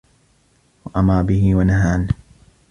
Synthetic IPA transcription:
waʔamaːbɪɦɪwanaɦaːn

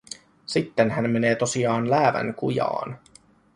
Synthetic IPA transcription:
sit̪ːenɦænme̞ne̞ːt̪o̞siɑːnlæːʋæ̰ŋkujɑ̰ːn

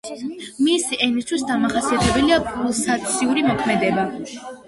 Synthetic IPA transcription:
misiʔɛnist̪ʰwis̬d̪amaχasiat̪ʰɛbɛliapʰʼulˠsat̪sʰiuɾimɔkʰmɛd̪ɛba

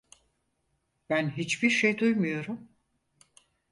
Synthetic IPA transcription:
b̥ænɦit͡ʃbiɾʃejd̪ujmujo̞ɾum

